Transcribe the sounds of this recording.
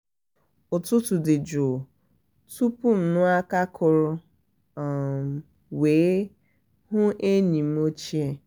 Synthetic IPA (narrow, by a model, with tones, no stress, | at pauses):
ʊ˨tʊ˦tʊ˨dɪ˨d͡ʒo˨ | tu˦pʊ˦n̩˨nʊ˦a˦ka˦kʰʊ˨ɾʊ˦˨ | m˨ | weː˨˦ | hʊ˦e˦ɲi˨m̩˦o˦t͡ʃi˦e˦